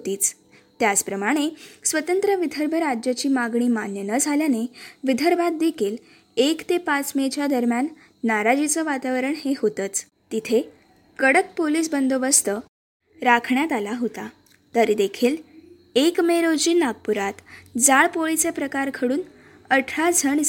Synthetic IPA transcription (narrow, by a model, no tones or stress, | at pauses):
ɦt̪iːt͡s | t̪jat͡spɾəmaɽ̃esʋət̪ənt̪ɾəʋid̪ʱəɾbʱəɾad͡ʑjat͡ɕiːmaɡɳiːmanjənəd͡zʱaljaneʋid̪ʱəɾbʱat̪̚d̪ekʰiːl | ekt̪epat͡smet͡ɕjad̪əɾmjanː | aɾad͡ʑit͡səʋat̪aʋəɾəɳɦeɦot̪ət͡s | t̪it̪ʰe | kəɽək̚poliːs̬bənd̪obəst̪ə | ɾakʰɳjat̪alaɦot̪a | t̪əɾid̪ekʰiːl | ekmeɾod͡ʑiːnaɡ̚puɾat̪d͡zaɭpoɭit͡sepɾəkaɾkʰəɽuːn | əʈʰɾad͡zʱəɳ